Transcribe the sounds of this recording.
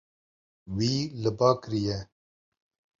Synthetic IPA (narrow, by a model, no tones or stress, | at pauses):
wiːlɨbaːkɾijɛ